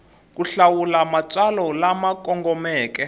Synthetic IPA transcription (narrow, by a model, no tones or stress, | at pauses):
k̬uɬawulamat͡salɔlamakʼɔŋɡɔmɛːkɛ